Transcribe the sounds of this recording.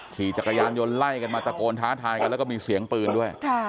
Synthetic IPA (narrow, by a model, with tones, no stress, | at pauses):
kʰiː˨˩t͡ɕa˨˩kːa˧jaː˧njo˧nla˥˩jka˧nmaː˧t̪a˧koː˧nt̪ʰaː˦˥t̪ʰaː˧jka˧nlɛ˦˥kɔ˥˩miː˧si˩˦əŋpɯː˧ndu˥˩əjkʰa˥˩